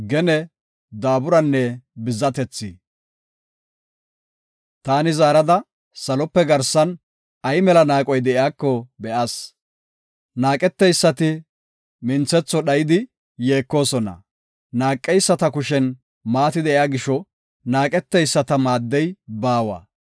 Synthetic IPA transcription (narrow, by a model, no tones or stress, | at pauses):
ɡɛnɛ | d̪aːbʊɾɐnːɛbɪzːɐt̪ɛt͡sːɪ | t̪aːnɪzaːɾɐd̪ɐ | sɐlɔpːɛɡɐɾsɐn | ɐjmɛlɐnaːkʼɔjd̪ɛʔɪaːkːɔbɛʔas | naːkʼɛt̪ːɛjsːɐt̪ɪ | mɪnt͡sːɛt͡sːɔɗɐjɪd̪ɪ | jeːkːo̞ːsɔnɐ̰ | naːkʼːɛjsːɐt̪ɐkʊʃɛn | maːt̪ɪd̪ɛʔjaːɡɪʃɔ | naːkʼɛt̪ːɛjsːɐt̪ɐmaːd̪ːɛjbaːwɐ̰